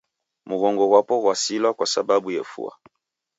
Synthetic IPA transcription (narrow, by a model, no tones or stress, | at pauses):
muɣɔŋɡɔwapɔɣwasilɔkwasababujefṵa̰